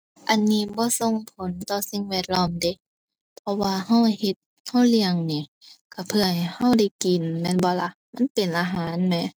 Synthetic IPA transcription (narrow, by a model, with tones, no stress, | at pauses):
ʔa˨nːiː˧˩bɔː˧˦so˧˨ŋpʰo˨˦nt̪ɔː˧si˧˨ŋwɛː˧ət̪̚lɔː˧˥˨mde˧˦˨ | pʰɔ˧waː˧ha˧˥˩whe˧t̪̚ | ha˧˥˩wli˧əŋniː˧˩ | ka˧˩pʰɯ˧˩ɐha˨ha˧˥˩wda˧˩jki˨˩nmɛː˧˥˨nbɔː˧˦la˧˥ | ma˧˥˨npe˨˩nʔaː˧ɦaː˨˦nmɛ˧˨